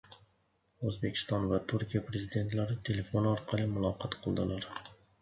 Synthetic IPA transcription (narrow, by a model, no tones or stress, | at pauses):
ɵzbekʲʰɪ̥st̪ɒnvat̪ʰʊɾkʲijapʰɾe̞zid̪e̞nt̪laɾɪt̪ʰe̞le̞fonɒɾqʰɑlˠɪmʊlˠɒqʰɑt̪qʰɨlˠd̪ɪlaɾ